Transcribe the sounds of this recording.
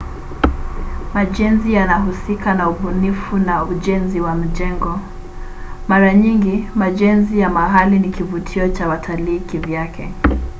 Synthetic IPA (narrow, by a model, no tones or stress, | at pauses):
maʄɛnzijanaɦusikanauɓunifunauʄɛnziwam̩ʄɛŋɡɔ | maɾaɲiŋɡimaʄɛnzijamaɦalinikivutʰiɔt͡ʃawatʰaliːkivjakʰɛ̰